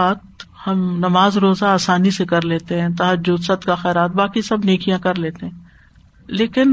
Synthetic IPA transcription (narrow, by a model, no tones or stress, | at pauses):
aːt̪hɐmnɐmaːzɾoːzaaːsaːnisekɐɾleːt̪eɦɛ̃t̪ɐɦədd͡ʒʊd̪sɐt̪kaxɛːɾaːt̪baːkisɐbneːkʰijãkɐɾleːt̪eɦɛ̃ː | leːkɪn